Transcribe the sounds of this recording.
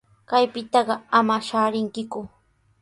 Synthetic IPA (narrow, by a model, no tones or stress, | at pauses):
kajpɪt̪ɑɢɑamaʃaːɾɪŋkɪkʊ